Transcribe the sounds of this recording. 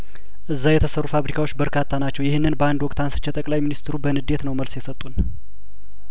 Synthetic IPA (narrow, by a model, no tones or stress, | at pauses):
ʔɨzːajɛt̪ʰəsərːufaβɾikʰawo̞t͡ʃːbəɾkʰat̪ʰːanat͡ʃːɛwjɪhɨnːɨnbəand̪wɔkʼt̪ʰansɨ̥t͡ʃːɛt̪ʼəkʼlajminist̪ɾubənɨd̪e̞t̪nəwməlsjɛsət̪ʼːun